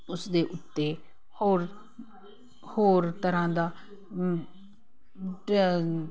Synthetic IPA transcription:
ʊsd̪eːʔʊt̪ːeː | hoːɾ | hoːɾt̪əɾãːd̪aː

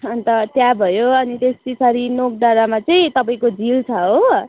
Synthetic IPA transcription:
ʌnt̪ʌt̪jabʱʌjoʌnit̪est̪isʰʌɾinok̚ɖaɾamat͡sʌĩt̪ʌpaĩkod͡zilt͡sʰʌɦo

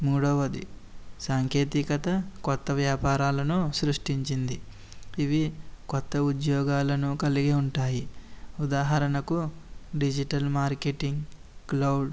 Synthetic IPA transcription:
muːɽɐʋɐd̪ḭsaːŋkʰje̞ːt̪ikɐt̪ɐkɔt̪ːɐʋjaːpaːɾaːlɐnusɾuʂʈiɲt͡ʃind̪i | iʋikɔt̪ːɐud̪jɔːɡaːlɐnukɐliɡeːuɳʈaːjiud̪aːɦɐɾɐnɐkuɖid͡ʒiʈɐlmaːɾkeʈiŋɡ | klɐwɖ

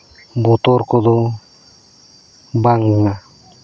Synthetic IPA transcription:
but̪ɔɾkɔd̪ɔ | baŋːa

